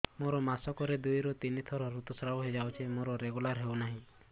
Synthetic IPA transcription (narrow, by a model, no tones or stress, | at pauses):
moɾɔmasɔkɔɾed̪ujɾɔt̪init̪ʰɔɾɔɾut̪ɔsɾabɔɦed͡ʒawt͡ʃʰimoɾɔɾeɡulaɾɦewnaɦĩ